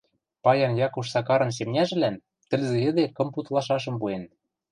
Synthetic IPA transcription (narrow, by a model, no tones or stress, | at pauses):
pɑjɑnjɑkuʃ̬sɑkɑɾɤ̆ns̬emnʲæʒɘ̆læn | t̪ɘ̆lzɘ̆jɘ̆d̪ekɤ̆mput̪lˠɑʃɑʃɤ̆mpuen